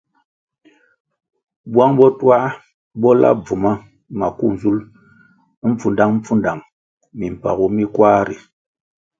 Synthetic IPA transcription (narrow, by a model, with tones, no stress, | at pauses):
bwa˦ŋbɔ˦twa˦ | bɔ˦la̰˦b͡vu˨ma˦ | ma˨ku˦˨n˨zu˦l | m̩˦fu˨nda˦ŋm̩˦p͡fu˦nda˨ŋ | mi˨m̩˨pa̰˨ku˦mi˦kwa˦ɾḭ˨